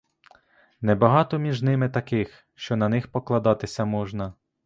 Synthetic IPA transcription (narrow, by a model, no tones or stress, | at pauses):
nɛbɐɦɑt̪ɔmʲiʒnɪmɪt̪ɐkɪx | ʃt͡ʃɔnɐnɪxpɔklˠɐd̪ɑt̪ɪsʲɐmɔʒnɐ